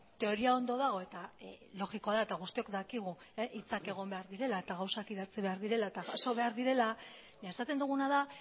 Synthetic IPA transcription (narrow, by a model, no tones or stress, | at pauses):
t̪e̞o̞ɾiao̞nd̪o̞ð̞aɣ̞o̞e̞t̪alo̞ɣikoaðaet̪aɣ̞ust̪io̞kd̪akiɣ̞u | ʔit͡sake̞ɣ̞o̞mbe̞aɾðiɾe̞lae̞t̪aɣ̞awsakiðat͡siβe̞aɾðiɾe̞laet̪aɣaso̞β̞e̞aɾðiɾe̞la | ɲaesat̪e̞nd̪uɣ̞unaða